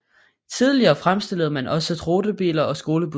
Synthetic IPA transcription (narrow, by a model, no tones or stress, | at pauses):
t͡sʰiðˠliɐːfʁamsd̥e̝l̰ð̩ˠmænʔɒ̽sət͡sʰʁo̝ːd̥əb̥ḭːlɐɒ̽sɡ̥o̝ːləb̥u